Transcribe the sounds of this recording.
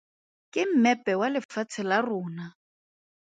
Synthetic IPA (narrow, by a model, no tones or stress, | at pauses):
kʼɪm̩mɛpʼɛwalɪfat͡sʰɪlarʊːna